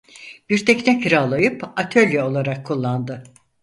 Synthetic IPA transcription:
b̥iɾt̪ʰɛcnɛkɾalˠajɯpat̪ʰølʲjɛo̞lˠaɾakʰːulˠːand̪ɯ

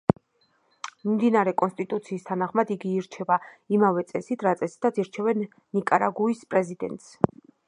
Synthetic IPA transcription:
mimd̪inaɾɛkʼɔnst̪ʼit̪ʼut̪sʰiːst̪ʰanaχmad̪iɡiːɾt͡ʃʰɛbaimavɛt̪sʼɛsit̪ʰɾat̪sʼɛsi̥t̪ʰat̪siɾt͡ʃʰɛvɛnː | ikʼaɾaɡuispʼɾɛzid̪ɛ̰nt̪ʼs

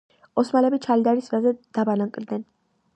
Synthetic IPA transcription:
ɔsmalɛbit͡ʃʰalid̪aɾisvazɛd̪̥abanaŋkʼɾd̪nɛn

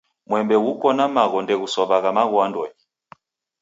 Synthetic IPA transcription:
mwɛmbɛɣukɔnamaɣɔndɛɣusɔβaɣamaɣɔandɔɲi

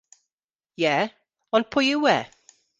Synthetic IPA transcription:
jɛ | ə̃npʰʊjəwɛ

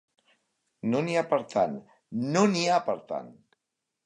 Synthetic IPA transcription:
noniapəɾt̪ʰanː | oniapəɾt̪a̰n

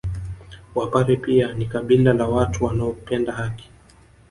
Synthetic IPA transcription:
wapaɾipianikaɓilalawatuwanaɔpɛndahaki̥

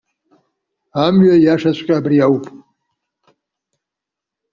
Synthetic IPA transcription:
amɥajaʂat͡ɕʷʼkʲʼaːbɾijawpʼ

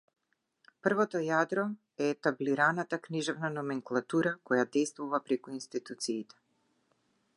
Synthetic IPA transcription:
pr̩vɔt̪ɔjad̪ɾɔ | ɛːt̪abliɾanat̪akniʒɛvnanɔmɛŋklˠat̪uɾakɔjad̪ɛjst̪vuvapɾɛkuinst̪it̪ut̪siːt̪ɛ̥

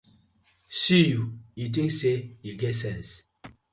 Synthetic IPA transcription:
sijujit̬ĩŋksejiɡɛtsɛ̃ns

